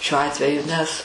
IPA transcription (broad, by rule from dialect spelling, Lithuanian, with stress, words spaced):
ʃʲuɔ ˈɑːtʲʋʲɛjʊ nʲɛs